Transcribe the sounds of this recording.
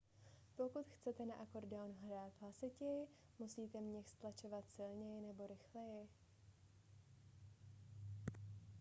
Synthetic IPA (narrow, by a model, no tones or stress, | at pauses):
po̞kut̪xt͡sɛt̪ɛnaʔako̞ɾdɛwnɦɾaːt̪ɦlasɪcɛjɪ | musiːt̪ɛmɲɛxst̪lat͡ʃovat̪sɪlɲɛjɪnɛbo̞ɾɪxlɛjɪ